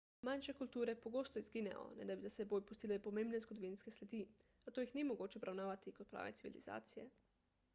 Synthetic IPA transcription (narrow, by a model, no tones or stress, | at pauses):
manʃekult̪uːɾepoɡoːst̪oizɡinɛ̰o̰nɛd̪abizasɛbojpust̪ilepomẽmbnezɡod̪oʋinskeslʲed̪i | at̪ojixnimoɡoːt͡ʃeobɾawnaːʋat̪ikot̪̚pɾa̰ːʋḛt̪siʋḭlḭza̰ːt̪sijḛ